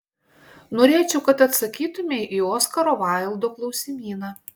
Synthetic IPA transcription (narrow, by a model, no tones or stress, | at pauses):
noːɾʲeːt͡ʃʲɛʊkɐt̪ɐt̪sɐkʲiːt̪ʊmʲeʔiːoːskɐɾoːʋɑˑɪlˠd̪oːklˠɒʊsʲɪmʲiːnɑ